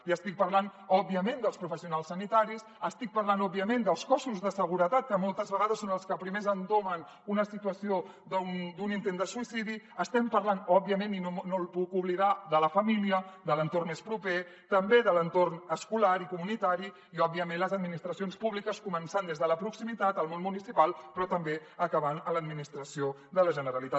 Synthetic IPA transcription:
iəst̪ik̚pɐɾlanɔbiəmend̪əlˠspɾufəsiunalˠsːənit̪aɾis | əst̪ik̚pɐrlanɔbiəmend̪əlˠskɔsuzðəsəɣ̞uɾət̪at̪̚kəmolˠt̪əzβəɣaðəsːonəlˠskəpɾimezənd̪omən | unəsit̪uəsio | d̪nd̪unint̪end̪əsuisiðiəst̪ɛmpɐɾlanɔbiəmẽninonolpukuβliðaðələfəmiliəd̪ələnt̪ornespɾupe | t̪əmbeðələnt̪ornəskulaɾikumunit̪aɾi | iɔb̚iəmẽnləzəd̪minist̪ɾəsionspuβlikəskumənsand̪ezðələpɾuksimit̪at̪əlˠmonmunisipalˠpɾɔt̪əmbeəkəβ̞anələd̪minist̪ɾəsio | ðələʒənəɾəlit̪a

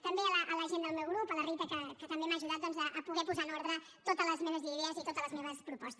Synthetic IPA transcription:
t̪əmbeələʔələʒend̪əlˠmewɣɾupələrit̪əkəkət̪əmbemaʒuðat̪̚d̪ɔnzəʔːpuɣɛpuzanɔɾðɾə | t̪ot̪ələzmeβəziðɛəzit̪ot̪ələzmeβəspɾupɔst̪

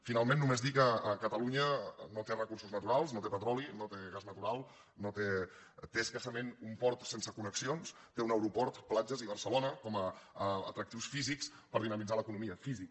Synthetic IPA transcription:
finalˠmẽnːumezðikəəkət̪əluɲənot̪erəkursuznət̪uɾalˠsnot̪epət̪ɾɔlinot̪eɣaznət̪uɾalˠ | not̪e | t̪eəskasəmenumpɔɾt̪sensəkunəksions | t̪eunəwɾupɔɾt̪plad͡ʒəziβərsəlonəkɔmə̰ːt̪ɾək̚t̪iwsfizikspəɾðinəmid͡zaləkunumiəfizik

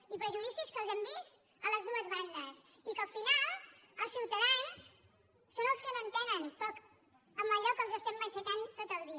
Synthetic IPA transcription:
ipɾəʒuðisiskəlˠzɛmbist̪ | ələzðuəzβand̪əsikəlfinalˠəlˠsiwt̪əðans | sonəlˠskənoənt̪ɛnənpɔk | əmbəʎɔkəlˠzəst̪ɛmːət͡ʃək̪ant̪ot̪əlˠðiə

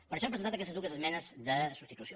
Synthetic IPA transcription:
pəɾəʃɔpɾəzenat̪kɛst̪əzd̪uɣəzəzmɛnəzd̪əsu̥st̪it̪usi

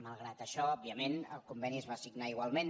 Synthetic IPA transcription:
malˠɣɾat̪əʃɔɔb̚iəmenə̰lkumbɛniəzβasiɡnaiɣwalˠmen

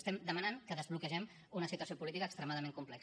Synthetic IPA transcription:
st̪ɛmd̪əmənaŋkəðəzβlukəʒɛm | unəsit̪uəsiopulit̪ikəːkst̪ɾəmaðəmẽŋkumplɛk

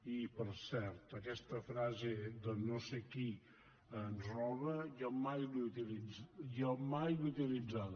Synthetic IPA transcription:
ipəɾsɛɾt̪əkɛst̪əfɾazed̪ənoseki | ənzrɔβəjamajluut̪ilijamajlut̪ilid͡zaðə

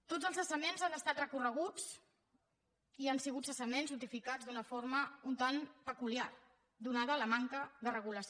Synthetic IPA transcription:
t̪od͡zəlˠzəsəmenzanəst̪at̪rəkurəɣ̞ut͡s | iansiɣut̪səsəmenznut̪ifikad͡zzd̪unəfoɾməunt̪anpəkuliar | d̪unað̞əːləmaŋkəðərəɣ̞uləs

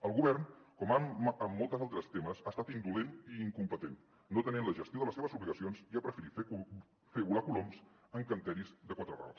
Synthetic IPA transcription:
əlˠɣuβɛrnkɔmaəmːolˠt̪əzalˠt̪ɾəst̪eməzast̪at̪ind̪uleniːŋkumpət̪enː | ot̪ənenləʒəst̪joðələseβəzuβliɣəsionziapɾəfəɾit̪f | feβulakuloms | əŋkənt̪ɛɾizd̪əkwat̪ɾəra̰lˠs

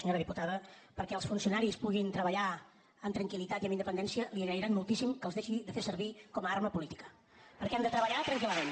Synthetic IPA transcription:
əɲoɾəðiput̪aðəpəɾkɛəlˠsfunsiunaɾispuɣint̪ɾəβəʎa | əmt̪ɾəŋkilit̪at̪iəminəpənd̪ɛnsiəliəɣɾəɾiɾanmulˠt̪isimkəlˠzðeʃiðəfesəɾβikɔməaɾməpulit̪i̥kə̥ | pəɾkɛamd̪ət̪ɾəβəʎat̪ɾəŋkiləmen

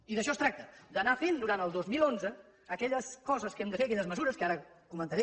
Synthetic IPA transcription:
iðəʃ̬ɔst̪ɾak̚t̪əd̪ənafend̪uɾant̪əlˠd̪ozmilˠonzəː | kɛʎəskɔzəskɛmd̪əfeəkɛʎəzməzuɾəskəaɾə | kumənt̪əɾɛ

